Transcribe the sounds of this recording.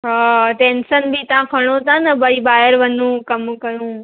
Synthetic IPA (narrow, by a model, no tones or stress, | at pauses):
ɦaːʈeːnsənbit̪ɐʋãkʰɐɽ̃ot̪ʰãnɐbɐibaːəɾʋɐnũkɐmkɐɾũː